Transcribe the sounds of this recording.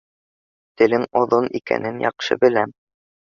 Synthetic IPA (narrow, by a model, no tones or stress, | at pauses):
t̪ɘ̆lɘŋŏðonikæ̰nɘnjɑ̰qʃɤ̰bɘ̆læm